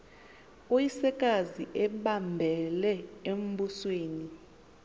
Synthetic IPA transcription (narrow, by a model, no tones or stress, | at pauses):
ojisɛk̬ʼaziʔɛɓambʱɛlɛem̩busweːni